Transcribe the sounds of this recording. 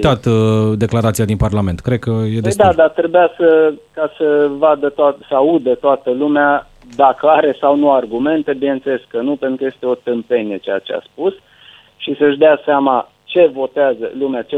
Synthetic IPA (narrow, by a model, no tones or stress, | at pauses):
t̪at̪d̪e̞klaɾat̪sijad̪inparlame̞nt̪kɾed̪̚kəjed̪ed̪ad̪at̪ɾebujasəkasəvad̪ət̪oat̪səaud̪ət̪oat̪əlumea | d̪akəaɾe̞sawnuarɡume̞nt̪e̞binenseleskːənupent̪ɾukəje̞st̪e̞o̞t̪ɨmpe̞ne̞t͡ʃeja̰t͡ʃea̰spus | ʃisəʃd̪easeama | t͡ʃe̞vo̞t̪eazə̰lumeat͡ʃe